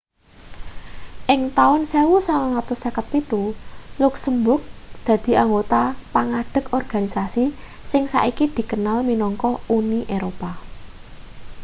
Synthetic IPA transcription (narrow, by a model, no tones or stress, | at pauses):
ʔɪŋt̪aʊnsewusalaŋat̪ʊsakət̪̚pit̪ulʊksəmbʊrk̚d̪̥ä̤d̪̥i̤ʔaŋɡot̪apaŋaɖ̪̥ə̤kɔrɡ̥a̤nisasi | sɪŋsa̰ʔikid̪̥i̤kənalminɔŋkɔʔuniʔeɾopa